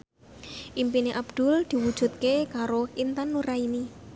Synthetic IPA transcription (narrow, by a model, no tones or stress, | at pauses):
ʔimpineʔabd̪̥ʊ̤ld̪̥i̤wud̥ʒ̥ṳt̪̚kekaɾoint̪anːuɾaini